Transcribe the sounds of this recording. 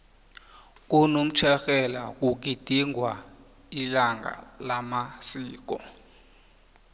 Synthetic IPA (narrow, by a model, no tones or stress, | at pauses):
k̬unom̩t͡ʃʰɛxɛla̰k̬uk̬id̥ʱiŋɡʱwa | ilaŋɡʱa̰lamasiːk̬ɔ